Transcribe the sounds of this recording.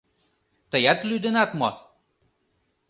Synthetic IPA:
t̪əjɑt̪lyd̪enɑt̪mo

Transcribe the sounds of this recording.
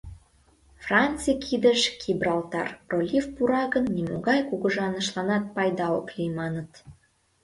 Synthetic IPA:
frɑnt͡sikʰid̪əʃkʰibrɑlt̪ɑ̰rrolʲifpuɾɑɣənːimo̰ɣɑjkuɣə̆ʒɑnə̆ʃlˠɑnɑt̪̚pɑjd̪ɑoklijmɑnət̪

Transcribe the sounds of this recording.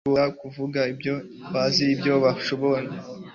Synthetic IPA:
oakuvuɡaibjo | βaziːbjo̞βaʃoβona

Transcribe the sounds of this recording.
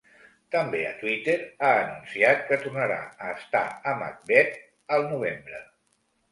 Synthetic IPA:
t̪əmbeə̰t̪wit̪eɾaənunsiat̪̚kət̪urnəɾa̰əːst̪a̰əma̰k̚bɛt̪ | əlˠnuβ̞embɾə

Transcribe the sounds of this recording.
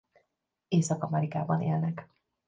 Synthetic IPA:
eːsɒkɒmɛɾikaːbɒnḛːlnɛk

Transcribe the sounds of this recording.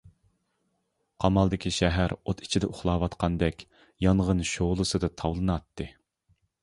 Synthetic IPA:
qʰɑmɑlˠd̪ɪkʲiʃɛɦæɾot̪ʰi̥t͡ʃʰid̪ɛʔʊχlˠɑːwɑt̪qʰɑnd̪ɛkʲ | jɑɴʁənʃoʁlˠɨsɨd̪ɨt̪ʰɑwlˠɨnɑt̪ːɨ

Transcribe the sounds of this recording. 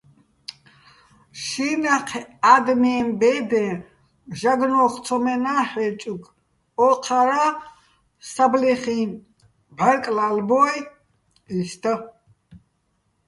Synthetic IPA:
ʃinaqʰɛad̪mɛmbɛd̪ɛ̃ | ʒaɡnɔχt̪sʰɔmɛnaːħɛt͡ʃʼuɡ | ɔqʰaɾa | sabliχin | baɾkʼlalbɔj | ist̪ʰə

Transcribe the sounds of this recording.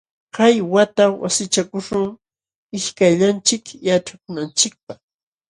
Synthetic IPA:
kajwat̪awa̰sɪt͡ʃakʊʃʊŋ | ɪʃkaʎant͡ʃɪkjaʈ͡ʂakʊnant͡ʃɪk̚pɑχ

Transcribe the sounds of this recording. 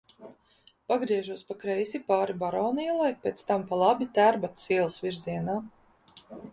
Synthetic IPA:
paɡɾiɛʒuɔspakɾɛjsipaːɾibaɾɔːnilˠajpeːt̪st̪ampalˠabit̪æɾbat̪siɛlˠsviɾziɛnaː

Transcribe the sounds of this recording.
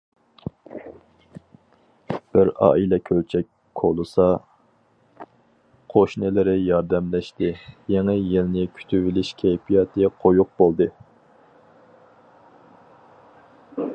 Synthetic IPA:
b̥ɪɾɑ̰ːilɛkʲʰølt͡ʃʰɛk̚ʲ | kʰolˠɨsɑ | qʰoʃnɪlɪɾɪjɑɾd̪ɛmlɛʃt̪ɪjeŋɪjilnɪkʲʰy̥t̪ʰyvɪlɪʃkʲʰejpʰijɑt̪ʰɨqʰojʊq̚bolˠd̪ɨ

